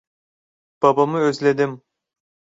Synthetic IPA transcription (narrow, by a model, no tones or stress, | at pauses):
b̥abamɯøzlʲed̪im